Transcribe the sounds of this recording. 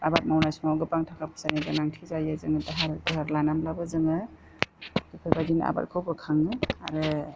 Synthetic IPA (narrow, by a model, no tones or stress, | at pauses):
abat̚mawnasmawɡɯpaŋtʰakʰapʰɯ̥saniɡanaŋtʰizajazɯŋɯdɯɦaɾdɯɦaɾlanamlabɯzɯŋɯ | dipʰɯjbadina̰ba̰t̚kʰɯwbɯkʰaŋɯa̰ɾɯ